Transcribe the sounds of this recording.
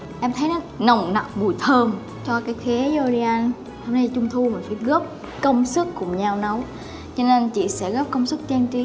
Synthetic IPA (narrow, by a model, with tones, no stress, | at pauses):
ʔɛ˧mt̪ʰə˨˦jnɔ˨˦nə˨˩wŋ͡mna˨˩k͡p̚ɓu˨˩jt̪ʰəː˧m | t͡ɕɔ˧kaː˨˦jxi˨˦jo˧li˧ʔa˧n | hə˧wna˧˦t͡ɕʊ˧ŋ͡mt̪ʰu˧mï̟˨˩faː˧˥˩jɣɔ˦˥p̚ | kə˧wŋ͡msɨ˦˥kːʊ˧˩ŋ͡mɲa˧wnə˨˦w | t͡ɕɔ˧ne˧nt͡ɕḭ˧˨sɛ̰˧˥ɣɔː˦˥p̚kə˧wŋ͡msɨ˦˥k̚t͡ɕa˧nt͡ɕi˨˦